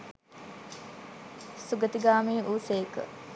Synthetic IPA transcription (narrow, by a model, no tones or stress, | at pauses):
suɡət̪iɡaːmeːʔuːseːkə̰